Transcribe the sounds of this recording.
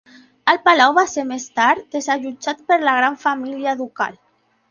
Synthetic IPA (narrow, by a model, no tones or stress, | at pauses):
əlpalawβaseɾmest̪aɾd̪ezaʒud͡ʒat̪pəɾlaɣ̞ɾaɱfamiliaːðuka̰l